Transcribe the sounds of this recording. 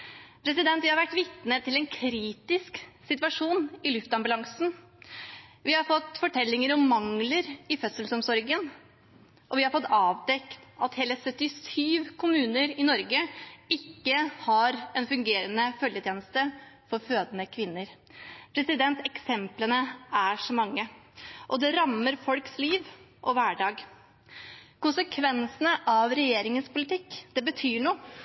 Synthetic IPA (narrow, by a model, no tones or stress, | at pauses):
pʰɾɛsɪd̪ɛnt̪ʋɪhɑɾʋæʈːʋɪt̪nət̪ʰɪlɛnkʰɾiːt̪ɪsksɪt̪ʋɑʂuːnɪlʉft̪ɑmbʉlɑŋsn̩ | ʋɪhɑɾfɔt̪ːfɔʈʰɛlːɪŋəɾɔmːɑŋləɾɪfœt̪səlsɔmsɔɾɡən | ʔɔʋɪhɑɾfɔt̪ːɑːʋd̪ɛkt̪ɑt̪heːləsœt̪ːɪsyːʋkʰʊmʉːnəɾɪnɔɾɡəɪkːəhɑɾɛnfʉŋɡeːɾənəfœljət̪jeːnəst̪əfɔɾføːd̪ənəkʰʋɪnːəɾ | pʰɾɛsɪd̪ɛnt̪ɛksɛmplənəæʂɔmɑŋːəʔɔd̪ɛɾɑmːəɾfɔlksliːʋʔɔʋæːɖɑːɡ | kʊnsəkʰʋɛnsənəʔɑʋɾɛjeːɾɪŋənspʊlɪt̪ɪkːd̪̥ɛbət̪ʰyːɳuː